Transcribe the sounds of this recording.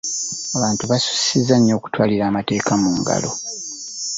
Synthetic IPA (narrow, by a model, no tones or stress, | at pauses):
aβaːntuβasu̥si̥sizːaɲːo̞ːku̥twaːliɾaːmate̞ːkamuːŋɡa̰lo̞